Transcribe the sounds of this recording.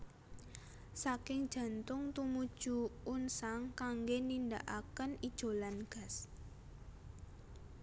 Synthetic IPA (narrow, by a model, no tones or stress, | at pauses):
sakɪŋd̥ʒ̥ä̤nt̪ʊŋt̪umud̥ʒ̥uʊnsaŋkaŋɡenindaʔakənid̥ʒ̥o̤lanɡ̥a̤s